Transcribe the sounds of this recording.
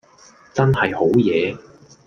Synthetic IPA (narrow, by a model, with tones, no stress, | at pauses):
t͡sɐ˥nhɐ˨jho˨˥wjɛː˨˧